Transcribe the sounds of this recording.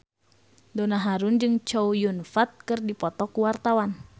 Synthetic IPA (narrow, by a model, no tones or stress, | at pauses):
dɔnaɦaɾund͡ʒɨŋt͡ʃɔujunfat̪̚kɨrdipɔt̪ɔkuwart̪awan